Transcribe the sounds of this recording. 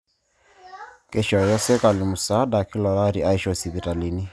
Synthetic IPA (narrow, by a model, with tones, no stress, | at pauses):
ke˦ʃɔ˨jɔ˦sɛ˦ka˨li˨mu˨sa˨˦da˨ki˦lɔ˨la˦ɾi˨a˦i˦ʃɔ˨si˨βi˨ta˨li˨ni˦